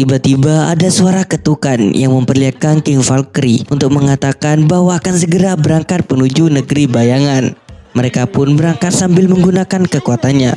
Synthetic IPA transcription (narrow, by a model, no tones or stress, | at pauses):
t̪ibat̪ibaa̰dasuaɾakət̪ukanjaŋməmpərliat̪̚kankɪŋfalkɾiunt̪ʊk̚məŋat̪akanbaɦwaːkansəɡəɾabəɾaŋkat̪̚pənud͡ʒunəɡəɾibajaŋan | məɾekapʊnbəɾaŋkat̪̚sambɪlməŋɡunakankəkuat̪anɲa̰